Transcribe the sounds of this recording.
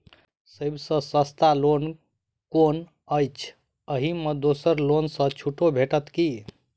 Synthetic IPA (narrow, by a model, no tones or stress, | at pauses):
səbsə̃səst̪alon | kon | əjt͡ʃʰ | əɦimed̪osəɾlonsə̃t͡ʃʰuʈobʱeʈət̪ki